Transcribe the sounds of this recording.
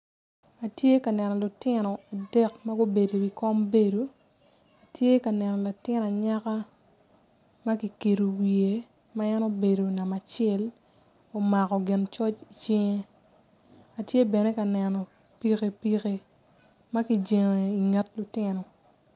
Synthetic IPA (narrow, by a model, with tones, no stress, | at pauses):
a˨tje˦ka˨nɛ˨nɔ˨lʊ˨tɪ˦nɔ˨a˨dɛ˦kma˦ɡo˦be˨do˨ɡi˨kɔ˦mbe˦do˨ | a˨tʰje˦ka˨nɛ˨nɔ˨la˨tɪ˦n˨a˨ɲa˦ka˦ | ma˦ki˨ke˨ɾo˨wie˨ | ma˦ɛ˦no˦be˨do˨na˨ma˨t͡ʃɛ˦l | o˨ma˨kɔ˨ɡɪ˨nt͡ʃɔ˦t͡ʃi˨t͡ʃɪ˦ŋe˦ | a˨tje˦bɛ˨ne˦ka˨nɛ˨nɔ˨ | pi˨ke˨pi˨ke˨ | ma˦ki˨d͡ʒe˨ŋ˨i˨ŋɛ˦tlʊ˨tɪ˦nɔ˨